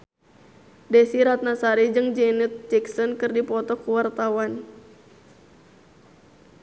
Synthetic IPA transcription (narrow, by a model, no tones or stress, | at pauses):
desiɾat̪̚nasaɾid͡ʒɨŋd͡ʒɛnut̪̚d͡ʒɛksɔnkɨrdipɔt̪ɔkuwart̪awan